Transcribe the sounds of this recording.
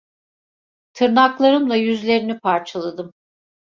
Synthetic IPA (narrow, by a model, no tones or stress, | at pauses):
t̪ʰɯɾnaklˠaɾɯmlˠajyzlʲe̞ɾinipʰaɾt͡ʃʰalˠad̪ɯm